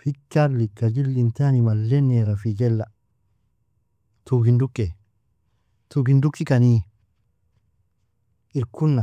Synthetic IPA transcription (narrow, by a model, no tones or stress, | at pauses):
fikːaɾlikːad͡ʒilːintanimalːeneɾafid͡ʒelːa | tuɡindukːe | tuɡindukːikani | iɾkunːa